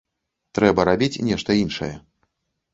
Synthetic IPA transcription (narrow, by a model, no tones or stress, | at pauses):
t̪ɾɛbɐɾabʲit͡sʲnʲɛʂt̪ɐinʂɐ̰jɛ